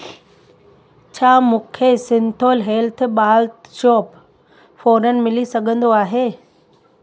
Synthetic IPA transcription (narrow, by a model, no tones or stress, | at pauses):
t͡ɕʰaːmʊ̃kʰesɪ̃nt̪ʰoːlɦɛːlt̪ʰɓaːlt̪ʃoːp | foːɾənɪ̆mɪlisɐɡʱə̃nd̪oaːɦeː